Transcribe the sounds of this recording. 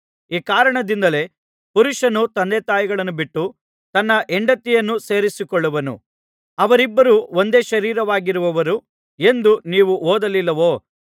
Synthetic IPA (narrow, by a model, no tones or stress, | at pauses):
iːkaːɾɐɳɐd̪ind̪ɐle̞ | puɾuʂɐnut̪ɐnd̪eːt̪aːjiɡɐɭɐnːubiʈːu | t̪ɐnːɐʔeɳɖɐt̪ːijɐnːuse̞ːɾisikɔɭːɐʋɐnṵ | ɐʋɐɾibːɐɾuo̞nd̪e̞ːʃɐɾiːɾɐʋaːɡiɾuʋɐʋɐɾu | e̞nd̪uniːʋuʔoːd̪ɐlilːɐʋoː